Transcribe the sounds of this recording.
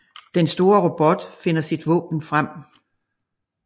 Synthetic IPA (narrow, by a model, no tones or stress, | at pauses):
d̥ensd̥o̝ːɐʁob̥ɒ̽d̥fe̝n̰ɐsid̥ʋɔ̰̽ːb̥n̩fʁam̰